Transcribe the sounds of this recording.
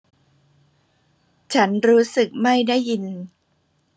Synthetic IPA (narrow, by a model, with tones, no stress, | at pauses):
t͡ɕʰa˦˥nɾuː˦˥sɯ˨˩k̚ma˥˩jda˥˩jːi˧n